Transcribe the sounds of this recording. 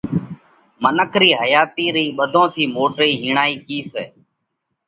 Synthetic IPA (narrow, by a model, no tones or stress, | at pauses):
mənəkʰɾiːɦəjaːt̪iːɾiːɓəd̪ʱõːt̪ʰiːmoːʈɾiːɦiːɳaːiːkiːseː